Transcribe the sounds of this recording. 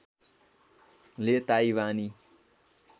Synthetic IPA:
let̪aiwani

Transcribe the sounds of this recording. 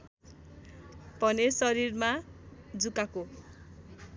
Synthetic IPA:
pʌnesʌɾirmad͡zukako

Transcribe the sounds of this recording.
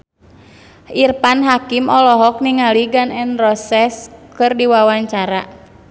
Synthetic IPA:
ʔirpanɦakimɔlɔɦɔk̚niŋaliɡanɛnrɔsɛskɨrdiwawaɲt͡ʃaɾa

